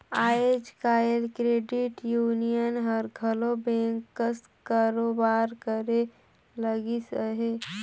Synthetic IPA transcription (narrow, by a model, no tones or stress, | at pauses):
aːed͡ʒkaːelkɾeːɖiʈjuːnijənɦəɾɡʱəlobẽːŋkːəs | kaːɾobaːɾkəɾe | ləɡisəɦe